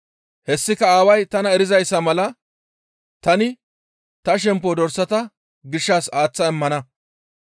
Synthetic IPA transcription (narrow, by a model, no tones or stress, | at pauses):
hɛsːɪkɐaːwɐjt̪ɐnɐɛɾɪzɐjsːɐmɐlɐ | t̪ɐnɪ | t̪ɐʃ̬ɛmp̬ːɔd̪ɔɾsɐt̪ɐ | ɡɪʃːaːsaːt͡sːɐɛmːɐnɐ